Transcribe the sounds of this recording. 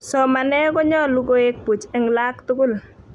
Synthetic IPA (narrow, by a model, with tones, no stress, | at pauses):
sɔ˨ma˨nɛ˦kɔ˦ɲɔ˦lu˦ɡo˦e˦k̚pu˨t͡ʃɛ˦ŋla˦ktʊ˦kʊ˦˨l